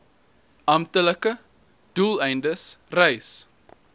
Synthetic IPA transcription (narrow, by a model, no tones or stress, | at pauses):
ʔɐmtələkə | d̥uːlɛjndəsrɛjs